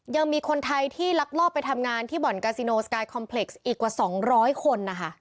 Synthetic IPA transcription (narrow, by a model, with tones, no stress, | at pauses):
ja˧ŋmiː˧kʰo˧nt̪ʰa˧jt̪ʰiː˥˩la˦˥k̚lɔː˥˩p̚ːa˧jt̪ʰa˧mŋaː˧nt̪ʰiː˥˩bɔ˨˩˦nkaː˧si˧noː˧skaː˧jkʰɔ˧mpʰle˨˩k̚sʔiː˨˩kːwaː˨˩sɔː˩˦ŋɾɔː˦˥jkʰo˧nːa˦˥kʰa˦˥˩ʔ